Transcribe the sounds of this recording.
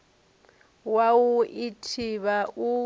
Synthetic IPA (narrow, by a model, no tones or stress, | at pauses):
wawuitʰiβau